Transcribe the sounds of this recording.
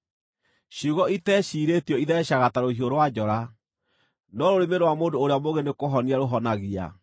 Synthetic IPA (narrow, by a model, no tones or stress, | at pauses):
ɕuɣɔitɛɕiːɾetiɔiðɛɕaɣataɾoɦioɾowad͡ʒɔɾa | nɔɾoɾemeɾowamoːndoːɾeamoɣenekoɦɔniaɾoɦɔnaɣia̰